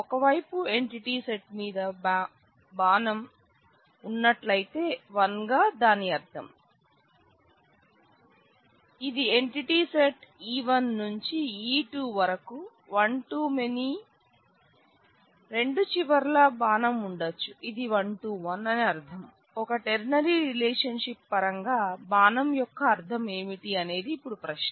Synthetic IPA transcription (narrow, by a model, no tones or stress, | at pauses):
ɔkɐʋɐjpue̞ɳʈiʈiːseʈmiːd̪ɐ | baːnɐm | unːɐʈlɐjt̪e̞ːʋɐnɡaːd̪aːniɐɾt̪ʰɐm | id̪ieɳʈiʈiːseʈiːʋɐnːuɲt͡ʃiiːʈuːʋɐɾɐku | ʋɐɳʈuːmeni | ɾe̞ɳɖut͡ʃiʋɐɾlɐbaːnɐmuɳɖɐt͡ʃːuʔid̪iʋɐɳʈuːʋɐnɐniɐɾt̪ʰɐm | ɔkɐʈeɾnɐɾiɾilɛːʂɐnʂip̚ːɐɾɐŋɡaːbaːnɐmjɔkːɐːɾt̪ʰɐme̞ːmiʈiɐne̞ːd̪iːpːuɽupɾɐʃ